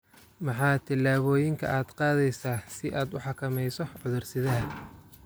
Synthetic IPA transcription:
mɑħɑːt̪ʰɪlːaːβɔːjɪŋkʰɐ̰ʔaːd̪̥qɑːðɛjsaːsɪʔaːd̪ʊħɑkʰɐmɛjsɔʕʊðʊrsɪðaːl

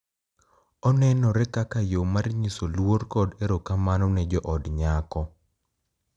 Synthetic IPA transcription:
ɔnɛnɔɾɛkakajomarɲisolworkɔdeɾokamanɔnɛd͡ʒɔʔɔdɲakɔ

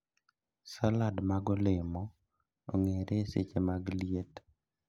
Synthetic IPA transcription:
saladmaɡɔlemɔ | oŋeɾesḛt͡ʃemaɡlijet

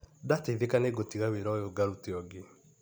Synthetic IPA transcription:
dateiðekaneɡotiɣaweɾɔjoɡaɾuteɔɡe

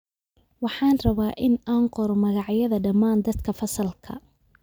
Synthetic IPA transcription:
wɑħɑːnrɐβaːʔɪnaːɴqɔɾɔmɐɣɑʕjɐðɐɖɐmːaːnd̪ɐd̪kʰɐfɐsɐlkʰɐ̰

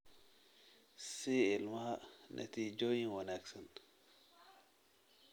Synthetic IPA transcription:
siɪlmɐhɐnʔɐ̰t̪iːd͡ʒoːjiŋwɐnaksɐn

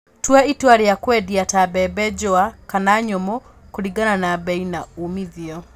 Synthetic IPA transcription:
twaitwaɾejakwɛdiatabɛbɛd͡ʒɔakanaɲɔmɔ | koɾiɡananabɛinaumiðiɔ

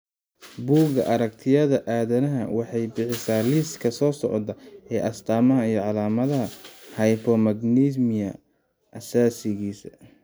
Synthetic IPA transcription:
buːɡɐ̰ʔɐɾɐk̚t̪ʰɪjɐðɐʔaːðɐnɐɦɐ̰wɑħɑjbɪħɪsaːliːskʰɐsɔːsɔ̰ʕɔd̪ɐɛːʔɐst̪ʰaːmɐɦɐijɞʕɑlaːmɐðɐɦɐhɐjpʰɔmɐɡnismɪjɐ | ʔɐsaːsɪɣiːsɐ

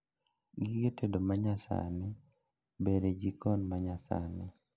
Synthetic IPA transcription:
ɡɪɡetedomaɲasa̰nɪ | beɾed͡ʒikʰɔnmaɲasa̰nɪ

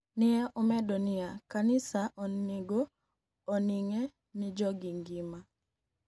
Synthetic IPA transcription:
nɪɛʔɔmɛdɔnɪakanɪsaʔɔnːeɡoː | niŋɛ | nɪd͡ʒɔɡiŋɡima

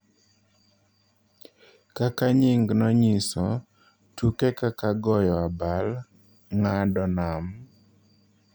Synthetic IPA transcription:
kakaɲɪŋɡnɔɲisɔ | tukekakaɡɔjɔabal | ŋadɔnam

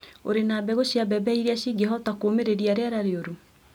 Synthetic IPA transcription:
o̰ɾenaːbɛɣoɕiabɛbɛiɾeaɕiːɡeɦɔtakoːmeɾeɾiaɾeaɾaɾeoɾu

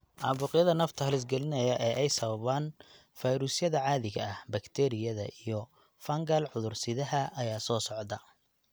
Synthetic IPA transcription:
ʔɑːβʊqjɐðɐnɐft̪ʰɐhlɪs̬ɡɛlɪnɐjɐʔɛːʔɛjsɐβɐβaːn | fɐjɾuːsjɐðɐʕɑːðɪɣɐ̰ɐhbɐkt̪ʰɛːɾɪjɐðɐ̰ʔijɔ | fɐŋɡɐlʕʊðʊrsɪðɐɦɐʔːjaːsɔːsɔʕd̪ɐ

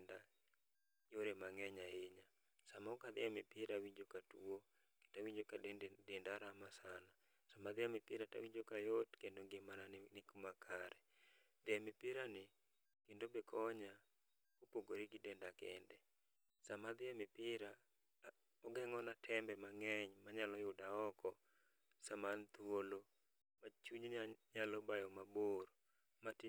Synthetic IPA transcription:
nda | joɾemaŋɛɲaeɲa | samaɔkad̪ɪamɪpɪɾawiɲd͡ʒokatuo | ke̥tawiɲd͡ʒokadendaɾamasana | samad̪ɪamɪpɪɾata̰wiɲd͡ʒokajotkendoŋɡɪmanannɪkumakʰaɾɛ | d̪ɪamɪpɪɾanɪ | kɪndobekʰɔɲa | opoɡoɾiɡɪdɛndakɛ̰ndɛ | samad̪ɪamɪpɪɾa | ɔɡɛŋɔnatʰɛmbɛmaŋɛɲmaɲalɔjʊdaɔkɔ | samant̪wolo | mat͡ʃuɲnaɲalɔbajɔmaboɾ | mat

